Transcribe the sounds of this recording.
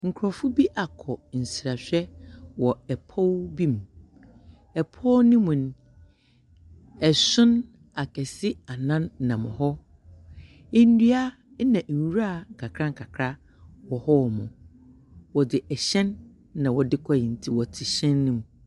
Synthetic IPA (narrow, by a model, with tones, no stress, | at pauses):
ŋ̩˨kʰɾɔ˨fʊ˦bi˦ʔa˨kʰɔ˨n̩˨sɾa˨ɕᶣɛ˦wɔ˨ɛ˨pʰɔ˦wbĩ˦m | ɛ˨pʰɔ˦nɪ̃˦mũ˨n˨ | ɛ˨sʊ̃˦n | a˨kʰɛ˨sɪ˦a˨nã˦nː˨ã˨mʊ̰̃˨ɦɔ˦ | ɪ˦n˦dɥa˦ | nã˨n̩˨wu˦ɾa˦˨kʰa˨kʰɾã˦ŋ̩˦˨kʰa˨kʰɾa˦ | wɔ˨hɔ˦˨mʊ̃˨ | wɔ˨dɪ˨ʔɛ˨ɕɛ̃˦nː | ã˨wɔ˨dɪ˦kʰɔ˦jɪ˨n̩˨tʰi˨wɔ˨tʰɪ˨ɕɛ̃˦nːʊ̃˦˨m̃˨